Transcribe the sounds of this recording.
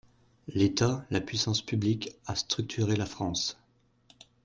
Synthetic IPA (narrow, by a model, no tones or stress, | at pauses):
let̪alapɥisɑ̃spyblikast̪χyk̚t̪ʰyʁelafχɑ̃s